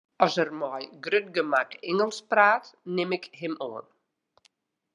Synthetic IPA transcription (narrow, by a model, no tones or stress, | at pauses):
ɔsərmɔjɡrøt̚ɡəmakɪŋəlˠspraːtnɪmɪkɦɪmoən